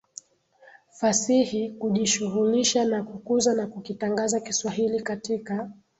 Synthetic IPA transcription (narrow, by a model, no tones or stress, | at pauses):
fasihikuʄiʃuɣuliʃanakukuzanakukitaŋɡazakiswaɦilikatika